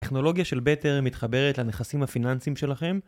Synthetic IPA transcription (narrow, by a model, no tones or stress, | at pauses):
teχno̞lo̞ɡjaʃe̞lbeteʁmit̪χabe̞ʁetlaneχasimhafinansimʃe̞laχe̞m